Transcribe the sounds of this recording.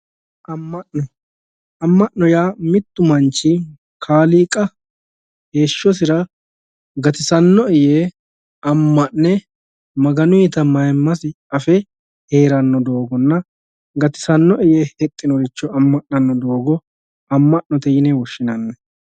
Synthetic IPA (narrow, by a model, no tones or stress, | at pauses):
ʔɐmːɐʔnɔ | ɐmːɐʔnɔjaːmɪt̪ːʊmɐnt͡ʃːɪ | kʰaːliːkʼɐ | he̞ːʃːɔsɪɾɐ | ɡɐt̪ɪsɐnːɔɪjeː | ɐmːɐʔnɛ | mɐɡɐnʊjɪt̪ɐmɐjmːɐsɪ | ɐfɛ | he̞ːɾɐnːɔd̪o̞ːɡɔnːɐ | ɡɐt̪ɪ̥sɐnːɔʔɛjeːhɛt̪ʼːɪnɔɾɪt͡ʃːɔɐmːɐʔnɐnːɔd̪o̞ːɡɔ | ɐmːɐʔnɔt̪ɛjɪnɛwɔʃːɪnɐnːɛ